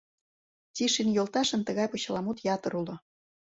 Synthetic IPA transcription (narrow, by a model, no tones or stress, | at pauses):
tʲiʃinjolˠt̪ɑʃə̆nt̪ə̆ɣɑjpot͡ɕɑ̆lɑmut̪jɑt̪ə̆ɾulo